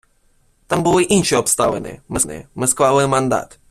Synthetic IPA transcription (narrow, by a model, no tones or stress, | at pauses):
t̪ambɨvɨʔinʃɛɔpst̪avɛ̰nɛ̰mɛsnɛ̰mɨskvavɨmand̪a̰t̪